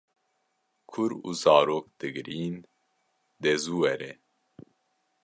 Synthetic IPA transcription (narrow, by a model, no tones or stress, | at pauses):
kʰʊɾṵzɑːɾoːkd̪̥ɨɡɾiːn | d̪ezuːwɛɾɛ